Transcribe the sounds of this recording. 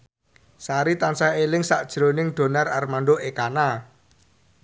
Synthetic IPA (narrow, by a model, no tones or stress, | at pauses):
saɾit̪ansaelɪŋsaʔd̥ʒ̥ɾonɪŋɖ̪̥o̤nararmanɖoʔekana